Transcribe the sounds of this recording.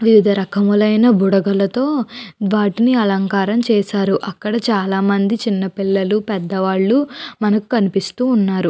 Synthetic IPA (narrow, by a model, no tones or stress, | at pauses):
ʋiʋid̪ʱɐɾɐkʰɐmulɐjnɐbuɽɐɡɐlɐt̪o̞ːʋaːʈiniɐlɐŋkaːɾɐmt͡ʃɛːsaːɾuʔɐkːɐɽɐt͡ʃaːlaːmɐnd̪it͡ʃinːɐpilːɐlupɛd̪ːɐʋaːɭːumɐnɐku̥kɐnipist̪uːnːaːɾu